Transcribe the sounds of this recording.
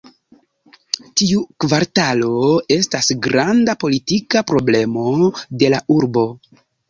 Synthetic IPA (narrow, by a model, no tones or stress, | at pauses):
tiukvaɾtalo̞e̞stasɡɾandapo̞litikapɾo̞ble̞mo̞de̞laʔuɾbo̞